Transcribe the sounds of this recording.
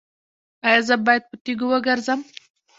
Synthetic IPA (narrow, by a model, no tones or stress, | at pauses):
ɑjɑzəbɑjad̪̚pət̪iɡowəɡəɾzəm